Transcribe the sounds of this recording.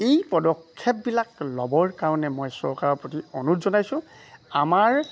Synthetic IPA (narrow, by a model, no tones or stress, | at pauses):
ejpɔdɔkʰːɛp̚bilaklɔbɔɹkaɹɔnɛmɔjsɔ̰ɹkaɹɔpɹotiɔnutzɔnajsʊ̃ | amaɹ